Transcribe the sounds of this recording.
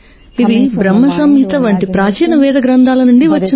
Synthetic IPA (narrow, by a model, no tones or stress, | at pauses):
id̪ibɾɐmːɐsɐmjit̪ɐʋɐːɳʈipɾaːt͡ʃiːnɐʋɛːd̪ɐɡɾɐnd̪ʱaːlɐnuɳɖiʋɐt͡ʃːin